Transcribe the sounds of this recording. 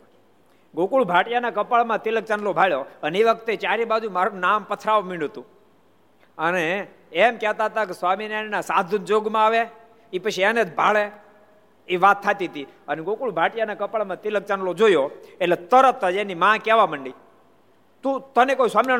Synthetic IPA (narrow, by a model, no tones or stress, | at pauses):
ɡokuɭbʱaʈjanakəpaɭmãt̪ilək̚t͡ʃanlobʱaɭjoəneʋək̚ʰt̪et͡ʃaɾibad͡ʒũmaɾũnampət̪ʰɾaʋmiɽ̃ut̪ũ | əneː | mkɛɦt̪aɦət̪akesʋaminannasad̪ʱənd͡ʒoɡmãaʋe | ipət͡ʃʰiɛned͡ʒbʱaɭe | iʋat̪ʰːat̪it̪iəneɡokuɭbʱaʈjanakəpaɭmãt̪ilək̚t͡ʃanlod͡ʒojoelet̪əɾət̪əd͡ʒenimãkɛʋaməɳɖi | t̪ũt̪ənekoisʋamina